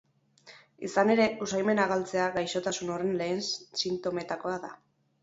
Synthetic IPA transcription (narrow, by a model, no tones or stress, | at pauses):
ḭsane̞ɾe̞usajme̞naɣalt͡se̞aɣajʃo̞t̪asuno̞re̞nle̞ːnssint̪o̞me̞t̪ako̞aða